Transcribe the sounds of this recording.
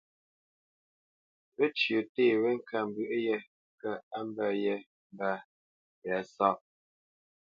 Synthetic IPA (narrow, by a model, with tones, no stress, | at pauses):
we˦t͡ʃjə˨teː˦˨we˦ŋ̩˦ka˨m̩˨bɯ˦˨ʔjɛ˦ | kə˦a˦m˦bɛ˦˨jɛ˦ | m˦ba˦˨ | jɛ˨˦sɔ˦˨p̚